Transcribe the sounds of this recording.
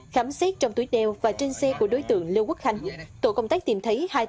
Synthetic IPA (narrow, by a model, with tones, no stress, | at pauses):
xaː˨˦mse˦˥t̚t͡ɕɔ˧wŋ͡mt̪u˨˩˦jɗɛ˨wvaː˨˩t͡ɕe˧nsɛ˧ku˧˩əɗo˨˦jt̪ɨ̰˧˨əŋli˧wku˦˥k̚xa˧˩jŋ̟t̪o̰˧˩˨kə˧wŋ͡mt̪aː˦˥k̚t̪i˧˩mt̪ʰə˨˦jhaː˧j